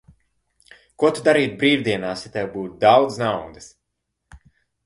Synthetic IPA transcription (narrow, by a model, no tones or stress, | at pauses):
kuɔt̪ud̪aɾiːt̪̚bɾiːvd̪iɛnaːsat̪ʲɛwbuːt̪̚d̪awd̪znawd̪ɨs